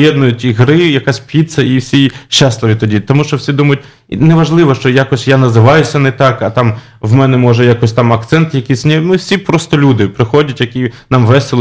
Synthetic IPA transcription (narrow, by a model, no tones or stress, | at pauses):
jɛd̪nʊjʊtʲiɦɾɪjɐkasʲpʲit̪sɐiwsʲiʃːaslˠɪʋʲit̪ɔdʲit̪ɔmuʃt͡ʃɔwsʲid̪umɐjʊt̚ʲ | nɛʋɐʒlˠɪʋɔʃt͡ʃɔjakɔsʲjanɐzɪʋɑjʊsʲɐnɛt̪ɑkɐt̪ɑm | ʋmɛnɛmɔʒɛjakɔsʲt̪ɑmɐkt̪sɛnt̪jɐkʲisʲnʲɛmɪwsʲipɾɔst̪ɔlʲud̪ɪpɾɪxɔdʲɐtʲjɐkʲinɑmʋɛselˠ